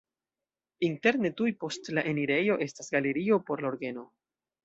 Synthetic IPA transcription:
inte̞ɾne̞tujpo̞stlaʔe̞niɾe̞jo̞ʔe̞stasɡaleɾio̞po̞ɾlaoɾɡe̞no̞

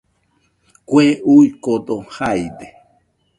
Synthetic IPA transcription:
kʷeujkot̪ohajd̪e

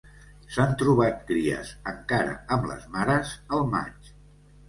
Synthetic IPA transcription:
sant̪ɾuβ̞at̪̚kɾiə̰zəŋkaɾə̰əmlə̰zmaɾəzəlˠma̰t͡ʃ

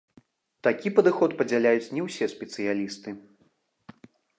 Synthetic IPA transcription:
t̪akʲipɐd̪ɨxɔt̪pɐd͡zʲalʲajut͡sʲnʲɛwsʲɛsʲpʲɛt̪sɨjalʲist̪ɨ

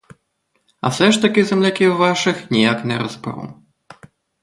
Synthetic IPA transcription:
ɐ̰fsɛʂt̪ɐkʲizʲɛmlʲakʲiwvaʂɨxnʲijaknʲɛɾɐzbɾɔ̰w

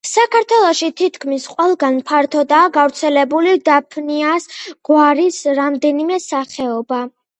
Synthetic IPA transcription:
sakʰaɾt̪ʰwɛlˠɔʃit̪ʰit̪ʰkʰmisqʼwɛlˠɡanpʰaɾt̪ʰɔd̪aːɡavɾt̪sʰɛlɛbulid̪apʰniasɡ̥waɾisɾamd̪ɛnimɛsaχɛɔba

